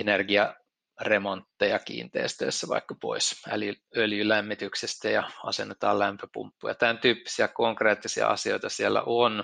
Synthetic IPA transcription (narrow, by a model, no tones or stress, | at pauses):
enerɡiɑ | remont̪ːejɑkḭːnt̪ḛːst̪ø̰ːsːæʋɑ̰ikːɑpo̰isæ̰ljyøljylæmːit̪yksest̪æjɑɑ̰senːet̪ɑːlæmpøpṵmpːujɑ̰t̪ænt̪yːpːi̥siækoŋkreːt̪ːisiɑ̰ɑ̰sio̰it̪ɑsielːæ̰ʔon